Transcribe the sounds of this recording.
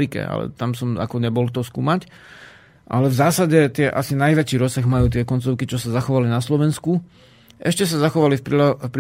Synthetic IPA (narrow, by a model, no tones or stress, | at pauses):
ɾikɛ̰a̰lɛ̰t̪amsɔma̰kɔɲɛbɔlt̪ɔskṵːmac | ʔa̰lɛvzaːsaɟɛt̪ɪɛʔasinajʋɛt͡ʃiːɾɔsːaɣmajuːt̪ɪɛkɔnt͡sɔʊkit͡ʃɔsazaxɔʋalinaslɔʋɛnsku | ʔɛʃcɛs̬azaxɔʋalifpifpɾi